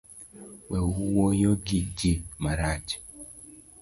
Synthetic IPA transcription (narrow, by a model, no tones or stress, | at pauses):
wɛwuwojoɡiɡimaɾad͡ʒ